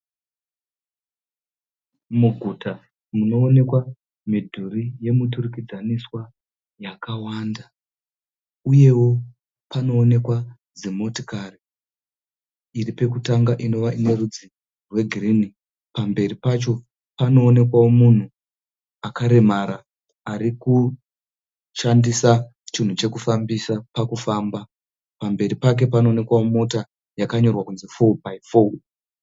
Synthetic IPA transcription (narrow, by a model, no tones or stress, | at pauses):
muɡʱutʰa | muno̞ːne̞kwa | midʱurije̞muturukid͡zaniswa | jakawaːnda | uje̞wo̞ | pano̞ːne̞kwa | d͡zemoto̥kari | iɾipe̞k̬utaŋɡaʔino̞ʋaine̞rud͡zi | rwe̞ɡʱirini | pambe̞ripat͡ʃo̞ | pano̞ːne̞kwawo̞mun̤u | akaɾe̞maːɾaː | ɾiku | ʃandisa | t͡ʃin̤ut͡ʃe̞kufambisapakufaːmba | pambe̞ɾipak̬e̞pano̞ːne̞kwawomo̞ta | jakaɲo̞rwakunzifobaifo